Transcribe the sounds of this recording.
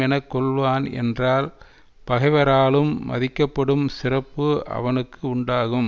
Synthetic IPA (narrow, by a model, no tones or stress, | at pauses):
ɛnɐkːɔɭʋaːnɛ̰ndraːl | pɐɣɐɪʋɐɾaːlɯmːɐ̰ðɪkːɐpːɐɽɯmsɪrɐpːɯɐ̰ʋɐnɯkːɯʊɳɖaːɣɯm